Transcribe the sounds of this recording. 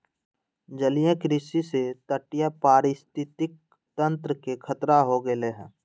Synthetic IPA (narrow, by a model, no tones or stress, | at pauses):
d͡ʒəlijẽkɾɪsiset̪əʈɪjapaːɾɪst̪ɪt̪ɪk̚ | t̪ə̃nt̪ɾəkekʰət̪ɾaɦoɡəleɦɛ̰̃ː